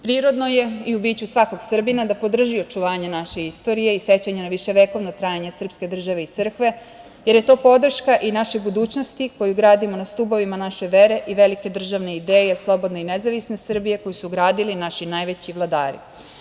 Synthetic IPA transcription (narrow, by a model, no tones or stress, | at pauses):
pɾiːɾo̞d̪no̞je̞iubiːt͡ɕusʋako̞ɡsr̩binad̪apo̞d̪r̩ʒio̞t͡ʃuʋaːɲenaʃe̞ist̪o̞ɾije̞ise̞t͡ɕaɲenaʋiʃe̞ʋe̞ko̞ʋnot̪ɾajeɲesr̩pske̞d̪r̩ʒaʋe̞it̪sɨr̩kʋe̞ | je̞ɾje̞t̪o̞ːpo̞d̪r̩ʃkaʔinaʃebud̪uːt͡ɕno̞st̪iko̞juɡɾaːd̪imo̞nast̪ubo̞ʋimanaʃe̞ʋe̞ɾe̞ʔiʋe̞like̞d̪r̩ʒaʋne̞id̪eːjeslˠo̞bo̞d̪ne̞inezaʋisne̞sr̩bije̞ko̞jisuɡɾaːd̪ilinaʃinajʋe̞t͡ɕiʋlˠad̪a̰ːɾḭ